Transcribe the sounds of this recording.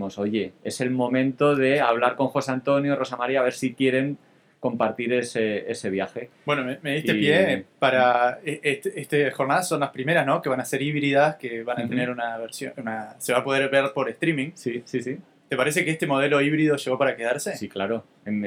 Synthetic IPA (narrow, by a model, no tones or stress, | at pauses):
mo̞so̞ʝe̞e̞se̞lmo̞mẽ̞nt̪o̞ðe̞aβ̞laɾko̞ŋxo̞sant̪o̞njoro̞samaɾiaːβe̞ɾsikje̞ɾe̞ŋ | ko̞mpaɾt̪iɾe̞see̞se̞β̞jaxe̞bwe̞nomemeðiht̪ejepaɾaeet̪est̪exo̞ɾnaðasːo̞nlaspɾime̞ɾasno̞ke̞βanase̞ɾiβɾiðaske̞βanat̪eneɾunaβeɾsjounase̞βapo̞ðeɾβe̞ɾpo̞ɾe̞st̪ɾimĩŋsisisi | t̪e̞paɾe̞s̬e̞keest̪e̞mo̞ð̞e̞lo̞iβɾiðo̞ʃe̞ɣ̞o̞paɾakeðaɾsesiklaɾo̞ | en